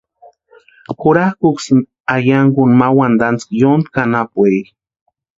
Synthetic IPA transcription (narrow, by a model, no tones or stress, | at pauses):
xʊɾahkuksin | ajaŋɡunmawand̪ant͡skjond̪kanapwej